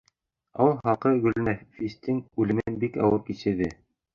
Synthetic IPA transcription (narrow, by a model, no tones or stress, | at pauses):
ɑ̰wɤlˠhɑqɤɡɵ̆lnæfist̪ɘŋʉlɘ̆mɘnbikɑ̰wɤɾkiɕɘ̆ɾðɘ